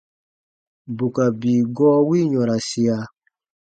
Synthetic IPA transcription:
bu˨ka˨biː˨ɡɔː˦wi˦ɲɔ̃˨ɾa˨si˨a˨

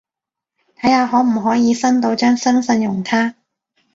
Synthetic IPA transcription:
t̪ʰɐ˨˥jhaː˧ɦɔː˨˥m̩˨˩ɦɔː˨˥jiː˨˧sɐ˥nt̪o˧wt͡ʃœː˥ŋsɐ˥nsɐ˧njʊ˨˩ŋt̪ʰaː˥

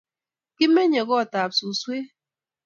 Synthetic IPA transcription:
ki˦me˦ɲe˨ɣɔ˦˨ta˨p̚su˨swe˦

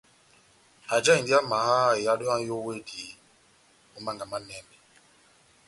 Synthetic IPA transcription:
a˨d͡ʒa˦i˨ndi˦a˦ma˨ha˦˨ja˨˦ɗɔ˦a˦jo˦we˦di˨ | u˦ma˦ŋɡa˨ma˦nɛ˨mbɛ˨

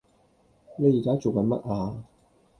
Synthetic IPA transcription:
ne˨˧jiː˨˩kaː˦˥t͡so˨wkɐ˨˧nmɐ̰˦˥t̚ʔaː˧

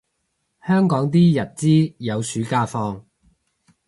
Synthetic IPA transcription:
hœː˥ŋkɔː˨˥ŋt̪̬iː˥jɐ˨˩t̚t͡siː˥jɐ˨˧wsyː˨˥kaː˧fɔː˧ŋ

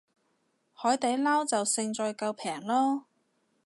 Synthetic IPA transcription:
hɔː˨˥jt̪ɐ˨˥jlaː˥wt͡sɐ˨wsɪ˧ŋt͡sɔː˨˧jkɐ˧wpʰɛː˨˩ŋlɔː˥

